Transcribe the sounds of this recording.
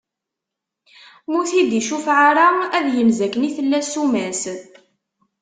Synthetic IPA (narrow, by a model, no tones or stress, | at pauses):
mʊθid̪iʃufʕaɾaæðjəmzækːəniθəlːæsumæs